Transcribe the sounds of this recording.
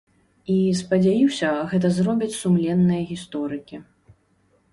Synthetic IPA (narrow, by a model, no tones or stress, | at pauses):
ispɐd͡zʲajiwsʲɐɣɛt̪ɐzɾɔbʲit͡sʲsumlʲɛnːɨjɐɣʲist̪ɔɾɨkʲi